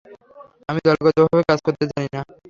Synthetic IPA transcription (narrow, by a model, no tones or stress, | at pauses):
amid̪ɔlɡɔt̪obʱabekad͡ʑkoɾt̪ed͡ʑanina